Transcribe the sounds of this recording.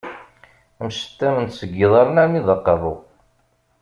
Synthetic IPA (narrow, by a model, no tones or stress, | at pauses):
əmʃə̥t̪ːæmənt̪səɡːiðˤɑɾənæɾmiðˤɑqːɑðˤo